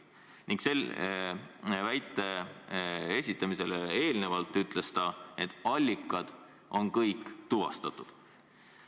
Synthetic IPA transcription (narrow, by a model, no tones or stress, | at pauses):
niŋɡkse̞l | væjt̪ːˑe̞ | e̞sʲit̪ːˑɑmise̞lee̞ːlne̞vɑlt̪ːˑyt̪ˑle̞st̪ɑe̞t̪ːˑɑlʲːikːˑɑd̪̥ | o̞nkɤjkˑːt̪uvɑ̰st̪ɑt̪ːˑud̪̥